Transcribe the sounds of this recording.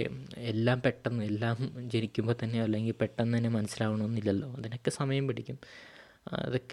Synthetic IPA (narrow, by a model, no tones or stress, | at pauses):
elːaːmpe̞ʈːɐnːɨelːaːmd͡ʑe̞nikʲːumbo̞ːt̪ɐnːejoɐlːe̞ŋɡilpe̞ʈːɐnːɨt̪ɐnːe̞mɐnɐsːilaːʋɐɳɐmonːilːɐlːo̞ːɐðinokːesɐmɐjɐmpɐʈikʲːum | ɐ̰ðokːe